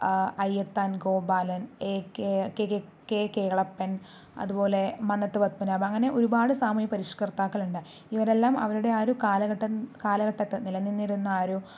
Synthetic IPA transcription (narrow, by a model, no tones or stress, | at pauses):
ɐjːɐt̪ːaːnɡo̞ːbaːlɐneːkekeekːekeːɭɐpːɐn | ɐ̰ðubo̞ːle̞mɐnːɐt̪ːɨpɐt̪̚pɐnaːbɐɐŋːɐne̞ʔoɾubaːɽɨsaːmɐjɐpɐɾiʂkɐrt̪ːaːkːɐɭuɳɖɐ | iʋɐɾe̞lːaːmɐ̰ʋɐɾuɽe̞aːɾukaːlɐɡɐʈːɐkaːlɐɣɐʈːɐt̪ːɐnilɐnːinːiɾunːɐaːɾu